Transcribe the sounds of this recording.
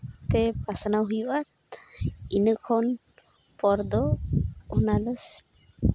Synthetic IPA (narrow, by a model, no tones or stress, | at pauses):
t̪ɛpasanawɦujuʔat̪̚ | inəkʰɔnpɔɾd̪ɔhɔnad̪ɔs